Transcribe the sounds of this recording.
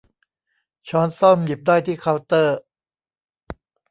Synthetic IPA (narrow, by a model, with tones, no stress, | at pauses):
t͡ɕʰɔː˦˥nsɔ˥˩mji˨˩p̚d̪aː˥˩jt̪ʰiː˥˩kʰa˦˧˥wt̪ɤː˥˩